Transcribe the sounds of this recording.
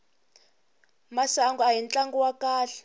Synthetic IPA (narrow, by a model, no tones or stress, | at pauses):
masaŋɡuaɦint͡ɬʼaŋɡuwakaːɬɛ̥